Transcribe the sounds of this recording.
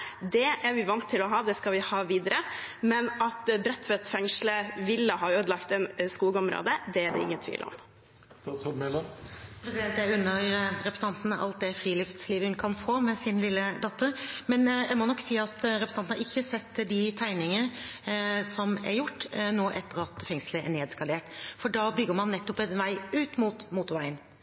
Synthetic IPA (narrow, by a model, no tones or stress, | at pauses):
d̪ɛæɾʋɪʋɑnt̪ʰːɪlɔɦɑːd̪ɛskɑlʋɪhɑːʋiːd̪əɾəmɛnɑt̪bɾɛt̪ːfɔɾɑt̪fɛŋʂləʋɪlːəhɑɾøːd̪lɑkt̪ɛnskuːɡəɔmɾo̰ːd̪əd̪ɛæɖɛ̰ɪ̰ŋːənt̪ʰḭːl̰ɔ̰m | st̪ɑːt̪shɔmɛləmpʰɾɛsɪd̪ɛnt̪æɾʉnːəɾɛpɾəsəɑnt̪n̩ʔɑ̰lt̪̚d̪ɛfɾiːlɪft̪sliːʋəhʉnkʰɑnfoːmɛsɪnlɪlːəd̪ɑt̪ːəɾmɛnjæɪmɔnɔkːsiːɑt̪ɾɛpɾəsɑnn̩ɑɾɪçːəsɛt̪ːd̪ɪt̪ʰæɪnɪŋə | sɔmɛ̰ɾjʊʈːnoːʔɛt̪ːəɾɑt̪fɛŋsləɛ̰ɳeːd̪ɛskɑleːʈfɔɖɑːbʏɡːəmɑnːɛt̪ːɔpɛnʋæɪʉːt̪muːt̪muːt̪ʊɾʋæɪən